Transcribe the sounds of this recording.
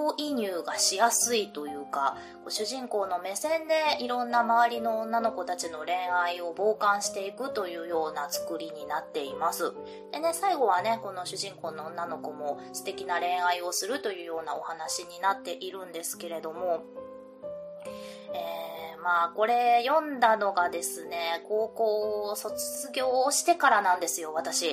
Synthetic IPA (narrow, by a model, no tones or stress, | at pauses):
oːʔiɲ̟ɯːɡaɕijasɨit̪o̞jɯ̟ːka | koɕɨʑĩŋko̞ːno̞me̞sẽ̞nd̪e̞iɾõ̞nːamaβaɾʲinõ̞ːnːano̞ko̞t̪at͡ɕino̞ɾẽ̞ɰ̃aio̞bo̞ːkãɰ̃ɕi̥t̪e̞ikɯ̟t̪o̞jɯ̟ːjo̞ːnat͡sɨ̥kɯ̟ɾʲiɲ̟inat̪ːe̞imasɨ | d̪̥e̞ne̞saiɡo̞β̞ane̞ko̞no̞ɕɨʑĩŋko̞ːno̞õnːano̞ko̞mo̞sɨ̥t̪e̞kʲinaɾẽ̞ɰ̃aio̞sɨɾɯ̟t̪o̞jɯ̟ːjo̞ːnao̞hanaɕiɲ̟inat̪ːe̞ʔiɾɯ̟̃nd̪e̞sɨ̥ke̞ɾe̞d̪o̞mo̞ | eːmaːko̞ɾe̞jõ̞nd̪ano̞ɡad̪e̞sɨne̞ko̞ːko̞ːso̞t͡sɨ̥t͡sɨɡʲo̞ːɕi̥t̪e̞kaɾanãnd̪e̞sɨjo̞βat̪aɕi